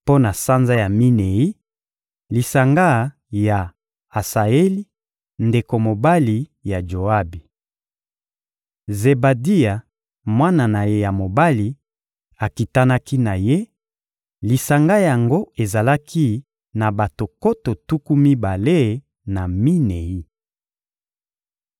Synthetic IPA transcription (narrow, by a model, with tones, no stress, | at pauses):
po˦na˨sa˦nza˦ja˨mi˦ne˨i˦ | li˨sa˨ŋɡa˦ | ja˨ | a˨sa˨e˦li˦ | nde˨ko˨mo˨ba˦li˨ja˨d͡ʒo˨a˦bi˨ | ze˨ba˨di˦a˨ | mwa˦na˨na˨je˦ja˨mo˨ba˦li˨ | a˨ki˨ta˦na˦ki˦na˨je˦ | li˨sa˨ŋɡa˦ja˨ŋɡo˦e˨za˨la˦kʰi˦ | na˨ba˨to˨ko˦to˨tu˦ku˦mi˦ba˨le˦ | na˨mi˦ne˨ji˦